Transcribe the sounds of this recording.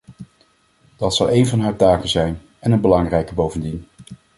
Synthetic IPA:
d̥ɑtsɑlˠejnvɑnɦaːɹtaːkənzɛjn | ɛnənbəlɑŋrɛjkəbowvəndin

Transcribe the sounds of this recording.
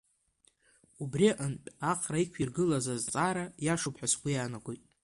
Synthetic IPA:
ubriʔanpʲʼaqʰʼrajkʷʰirɡɨlazazt͡sʼaːɾajaʂupʰħʷasɡʷijanaɡʷojtʼ

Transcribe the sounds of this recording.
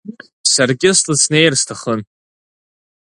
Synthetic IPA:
sarɡʲɪstʰlɨsnejrstʰaχən

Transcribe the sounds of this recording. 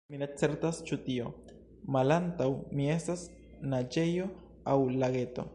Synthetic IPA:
minet͡se̞ɾtast͡ʃutio̞ | malantawmie̞stas | nad͡ʒe̞jo̞ | awlaɡe̞to̞̰

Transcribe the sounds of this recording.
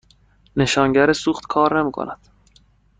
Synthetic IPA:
ne̞ʃɒːŋɟæɾesuːχt̪kʰɒːɾnemiːkʰo̰næd̪̥

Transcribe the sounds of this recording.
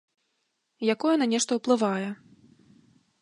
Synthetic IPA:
jakɔjɛnanʲɛʂt̪ɐwplˠɨvajɛ

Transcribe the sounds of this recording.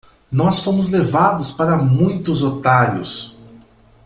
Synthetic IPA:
nɔsfõmʊzlevad̪ʊspaɾɐmũj̃t̪ʊzot̪aɾjʊ̰s

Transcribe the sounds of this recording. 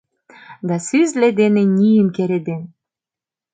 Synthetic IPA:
d̪ɑsyzled̪enenʲijəmkeɾed̪en

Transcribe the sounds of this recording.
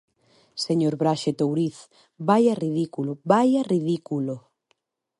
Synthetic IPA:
seɲoɾβɾaʃet̪owɾiθ | bajariðikulobajariðikulo

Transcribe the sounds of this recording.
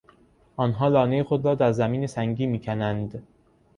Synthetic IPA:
ʔɒːnɦɒːlɒːnejexod̪ɾɒːd̪æɾzæmiːnesæŋɟiːmiːcʰænænd̪

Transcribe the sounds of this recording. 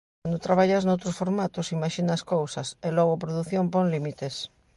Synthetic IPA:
nd̪ot̪ɾaβaʎaznowt̪ɾosfoɾmat̪osimaʃinɐskowsɐselɔɣoapɾoðuθjompoŋlimit̪es

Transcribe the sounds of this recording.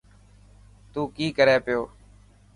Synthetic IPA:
t̪uːkiːkəɾeːpɪjoː

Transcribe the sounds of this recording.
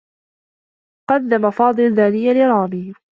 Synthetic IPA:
qɑd̪ːamafɑːd̪ˤɨlðaːnɪjːalɪɾˤɑːmɪh

